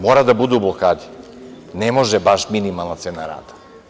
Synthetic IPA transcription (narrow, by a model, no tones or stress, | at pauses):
mɔɾad̪abud̪ublˠɔkad̪i̥ | nɛmɔʒɛbaʃminimalˠnat̪sɛnaɾa̰t̪ḁ